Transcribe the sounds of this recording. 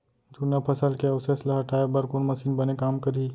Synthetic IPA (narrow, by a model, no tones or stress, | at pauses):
d͡ʒ̪unapʰɐsəlkeɐwseslaɦɐʈaːebɐɾkonmɐsiːnbɐnekaːmkɐɾi